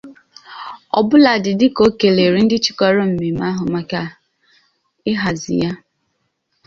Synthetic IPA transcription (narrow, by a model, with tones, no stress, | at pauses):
ɔ̰˨bʊ˦la˨dɪ˨dɪ˦ko˦ke˨le˨ɾi˨˦n̩˦dɪ˦t͡ʃi̥˨kɔ˦ɾɔ˦m̩˨me˨ma˦ɦʊ˨ma˦ka˦ | ɪ˦ɦa˨zɪ̰˨ja˦